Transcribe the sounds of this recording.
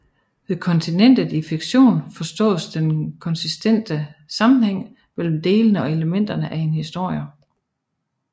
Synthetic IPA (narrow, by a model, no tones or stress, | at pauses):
ʋekʰɒ̽nt͡sʰinen̰d̥ð̩ˠifiɡ̥ɕo̝̰ːnfɒ̽sd̥ɔ̰̽ːðˠsd̥enkʰɒ̽nsisd̥en̰d̥əsɑ̈mn̩heŋ̰ | mel̰m̩d̥e̝ːlənəɒ̽e̝ləmen̰d̥ɐnəʔæe̝nhisd̥o̝ɐ̰jə